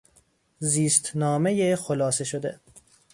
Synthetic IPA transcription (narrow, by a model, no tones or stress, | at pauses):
ziːst̪ʰnɒːmejexolɒːseʃod̪e